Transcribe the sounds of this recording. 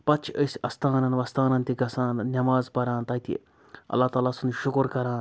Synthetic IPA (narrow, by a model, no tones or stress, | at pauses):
pɐt͡ʃʰəsʲɐst̪aːnɐnʋɐst̪aːnɐnt̪iɡɐsãːnnʲɐmaːzpɐɾãːnt̪ɐːt̪ʰḭ | ɐ̰lːaːt̪aːlaːsunʃʊkɾkɐɾãːn